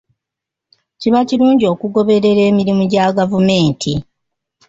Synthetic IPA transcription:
ciβaciɾuːɲɟio̞kuɡo̞βe̞ɾe̞ɾe̞ːmiɾimuɟaːɡavume̞ːntʰi

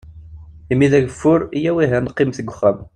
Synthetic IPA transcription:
imːiðæʝəfːʊɾijæwiɦænqːimθəɡʷːəχːæm

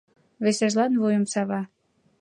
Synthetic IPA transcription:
βeseʒlɑnβujə̆msɑβɑ

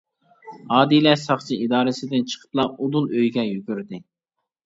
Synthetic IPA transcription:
ɑːd̪ilɛsɑχt͡ʃʰiid̪ɑːɾɪsɪd̪ɪnt͡ʃʰə̥qʰə̥plˠɑpud̪unøjɡʲɛjyɡʲyɾd̪ɪ

